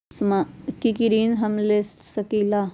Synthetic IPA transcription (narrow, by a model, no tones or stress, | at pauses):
smakikiɾinɦɐmlessɐkila